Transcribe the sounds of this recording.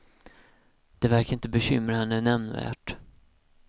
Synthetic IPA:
d̪̥ɛvæɾkaɾɪnt̪əbɛɕʏ̰mɾahɛnːənɛmnvæ̰ːʈ

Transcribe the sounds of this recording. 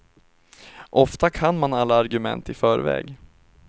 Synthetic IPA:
ʔɔft̪akʰanmanalːaːɾɡɵmɛ̰nt̪ɪfœːɾvɛ̰ːɡ

